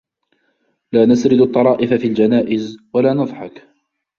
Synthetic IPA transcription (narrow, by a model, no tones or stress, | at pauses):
laːnasɾɪd̪ɑt̪ˤːɑɾˤɑːʔɪfafiːld͡ʒanaːʔɪzwalaːnɑðˤħɑk